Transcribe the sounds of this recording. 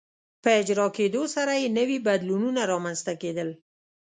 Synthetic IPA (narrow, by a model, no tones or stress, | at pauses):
pəɪd͡ʒɾɑked̪osaɾajenəwibad̪lununaɾɑmanzt̪aked̪əl